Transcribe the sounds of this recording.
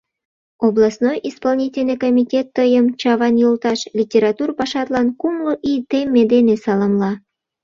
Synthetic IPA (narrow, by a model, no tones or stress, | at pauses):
oblˠɑsnojispɑlnʲitʲelʲnəjkomʲitʲet̪ːəjəmt͡ɕɑβɑnjolˠt̪ɑʃlʲitʲeɾɑt̪urpɑʃɑt̪lɑnkumloʔit̪emːed̪enesɑləmlɑ